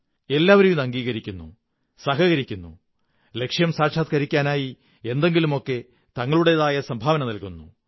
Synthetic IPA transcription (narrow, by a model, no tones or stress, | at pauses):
e̞lːaːʋɐɾejumɐŋɡiːɣɐɾikʲːunːṵ | sɐɦɐɣɐɾikʲːunːu | le̞kʂjɐmsaːʂaːt̪kɐɾikʲːaːnaːji | e̞nd̪e̞ŋɡilumo̞kːe̞ | t̪ɐŋːɐɭuɽe̞ðaːjɐsɐmbʱaːʋɐnɐnilkunːu